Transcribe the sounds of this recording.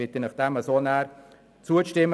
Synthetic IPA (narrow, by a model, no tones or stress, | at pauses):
ɪt̪ənɑχd̥̪ɛməsoːnæːɾ | t͡suəʃtɪm